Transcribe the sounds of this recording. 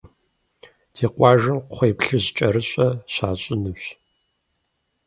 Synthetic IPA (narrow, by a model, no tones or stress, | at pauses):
tʰeːqʷɑːʒɨmqχʷeːpɬɨʑt͡ʃʼɐɾɨɕʼɐɕaːɕʼɪnɨɕ